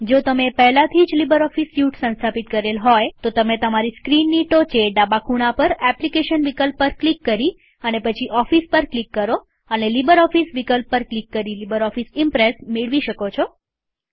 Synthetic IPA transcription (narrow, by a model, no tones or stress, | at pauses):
d͡ʒot̪əmepɛɦlat̪ʰid͡ʒlibəɾɔfisjuʈsə̃nst̪ʰapit̪kəɾelɦojt̪ot̪əmet̪əmaɾiskɾinːiʈot͡ʃʰeɖabakʰuɽ̃apəɾɛplikeʃənʋikəlpːəɾklikːəɾi | ənepət͡ʃʰiʔɔfispəɾklikːəɾo | ənelibəɾɔfisʋikəlpːəɾklikːəɾilibəɾɔfisɪmpɾesmeɭʋiʃəkot͡ʃʰo